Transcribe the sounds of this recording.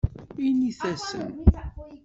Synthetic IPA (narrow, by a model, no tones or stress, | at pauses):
iniθæsə̰n